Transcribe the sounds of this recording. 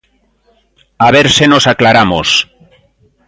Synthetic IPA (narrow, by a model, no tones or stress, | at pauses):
aβ̞eɾseno̞saklaɾamo̰s